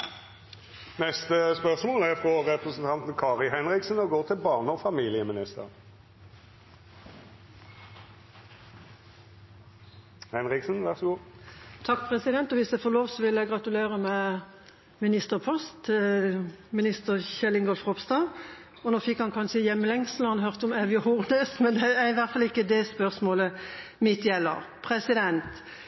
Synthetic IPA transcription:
nɛst̪əspœʁsmoːlæʁfʁɔʁɛpʁəsn̩t̪ʰɑnt̪n̩kʰɑːʁɪlhɛnʁɪksn̩ɔɡoːʁt̪ʰɪlbɑːʁnəɔfɑmiːlɪəmɪnɪst̪ə̰ʁ | hɛnʁɪksn̩ʋæʁsɔɡuːt̪ʰɑk̚ːpʰʁɛsɪd̪ɛnt̪ɔʋɪsd̪æɪfoːloːʋsɔʋɪlːæɪɡʁɑt̪ʉleːʁəmɛ | mɪnɪst̪əʁpʰɔst̪ | mɪnɪst̪əʁçɛlɪŋɡɔlfʁɔpst̪ɑː | ɔnoːfɪkhɑnkʰɑnʃəjɛmːəlɛŋslɑnɦœʁt̪əɔmɛʋjɔhʊʁd̪əsmɛnd̪ɛæɪʋæʁt̪fɑlɪkːəd̪ɛspœʁsmoːləmɪt̪jɛlːə̰ʁpʰʁɛsɪd̪ɛnt̪

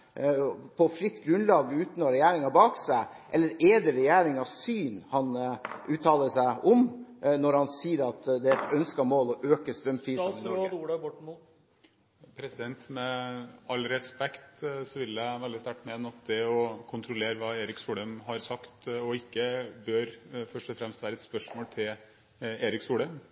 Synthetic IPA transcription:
pʰɔfɾɪt̪ːɡɾʉnlɑːɡʉːt̪nɔɾɛjæːɾɪŋɑbɑːksæɪ | ʔɛlːəɾɛd̪ɛɾɛjæːɾɪŋɑsyːnhɑnʔʉːt̪ʰːɑːləsæɪʔɔmnɔɾhɑnsiːəɾɑt̪d̪ɛæɾɛt̪œnskɑmoːlɔʔøːkəst̪ɾœmpʰɾiːsuːɽəbɔmu | pʰɾɛsɪd̪ɛnt̪mɛɑlːɾɛspɛkt̪sɔʋɪljæɪʋɛld̪ɪst̪æʈːmeːnɑt̪̚d̪ɛɔkʰʊnt̪ʰɾɔleːɾəʋɑːeːɾɪksuːɖ̪əmɦɑɾsɑkt̪ɔɪkːəbøɾfœʂʈɔfɾɛmst̪ʋæːɾəɛt̪spœʂmoːlt̪ʰɪl | eːɾɪksuːɖəm

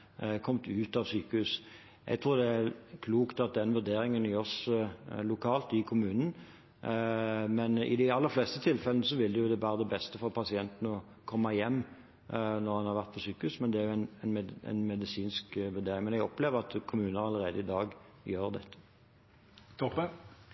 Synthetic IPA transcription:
kʰɔmt̪ʉːt̪ɑʋsyːkəhʉːs | ʔɛ̰ɡt̪ʰɾuːɾd̪ɛæɾkʰluːkt̪ɑt̪̚d̪ɛnʋʉɾd̪eːɾɪŋənɪɔs | lʊkʰɑːlt̪ɪkʰʊmʉːnn̩ | mɛnɪ̰d̪ɪɑlːəɾfleːst̪ət̪ʰɪlfɛlnəsɔʋɪld̪ɛjʊd̪ɛʋæːɾəd̪ɛbɛst̪əfɔɾpʰɑsɪɛnt̪n̩ɔ | kʰɔmːɑjɛmː | nɔɾhɑnhɑʁʋæʁt̪̚pʰɔsyːkəʉsmɛnd̪ɛæɾjʊɛnɛnɛɛ̰nmɛd̪ɪsiːnskʋʉd̪eːɾɪŋmɛnɛɡɔpleːʋəʁɑt̪kʰʊmʉːnəɾɑlːəɾeːd̪əɪd̪ɑːɡ | jøːɾd̪ɛ̰t̪ːə̥ | t̪ʰɔpə

